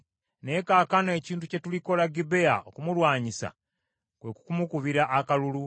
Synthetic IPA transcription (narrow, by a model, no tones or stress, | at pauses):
ne̞kaːkane̞ːciːntuce̞tuliko̞laɡibe̞ja̰okumulwaːɲisa̰ | kwe̞ku̥kumukuβiɾaʔːkalulu